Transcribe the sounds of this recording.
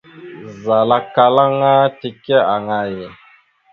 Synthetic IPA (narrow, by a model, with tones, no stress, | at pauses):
za˨la˦ka˨la˦ŋa˦ti˨kɛ˦a˨ŋa˦jɛ˨